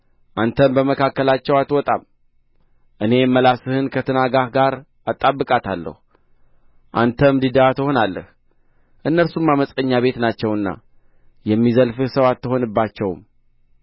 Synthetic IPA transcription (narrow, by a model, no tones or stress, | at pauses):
ʔant̪ʰəmbəməkʰakːəlat͡ʃːɛwat̪wɔt̪ʼa̰m | ʔɨne̞mːəlasɨhɨnkʰət̪ʰɨnaɡahɡaɾ | at̪ʼːabːɨkʼat̪ʰalːə̰hu | ʔa̰nt̪ʰəmd̪id̪aat̪ʰəho̞nalːə̰h | ʔɨnːəɾsumːaməsʼəɲːaβe̞t̪nat͡ʃːɛwɨnːa̰ | jɛmːizəlfɨhsəwat̪ːɨho̞nɨbːat͡ʃːɛwm